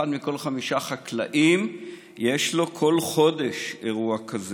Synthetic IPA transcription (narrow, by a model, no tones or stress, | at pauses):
ad̪miko̞lχamiʃaχakla̰ʔim | je̞ʃlo̞kʰo̞lχo̞de̞ʃeʁuakaze